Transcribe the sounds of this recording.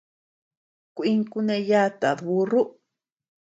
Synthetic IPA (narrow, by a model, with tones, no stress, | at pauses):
kʷi˦ŋku˧nẽ˧ja˦t̪a˨ðβu˧ru˦